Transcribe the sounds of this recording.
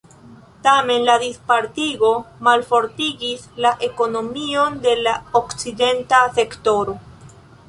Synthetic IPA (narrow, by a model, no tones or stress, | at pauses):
tame̞nladispaɾtiɡo̞malfo̞ɾtiɡislaʔe̞ko̞no̞mio̞nde̞laokt͡side̞ntase̞kto̞ɾo